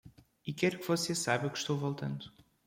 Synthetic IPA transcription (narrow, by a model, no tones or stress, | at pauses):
ikɛɾukvɔsesaβjɐukʃt̪owvɔlˠt̪ɐ̃nd̪u̥